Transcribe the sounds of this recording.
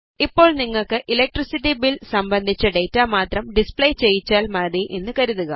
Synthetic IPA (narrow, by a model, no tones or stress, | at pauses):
ipːo̞ːɭniŋːɐɭkɨʔilek̚ʈrisit̬ːibilsɐmbɐnd̪ʱit͡ɕːɐɖe̞jtːaːmaːt̪rɐmɖispɭejt͡ɕe̞jːit͡ɕːaːlmɐðiʔenːɨkɐɾuðuɣɐ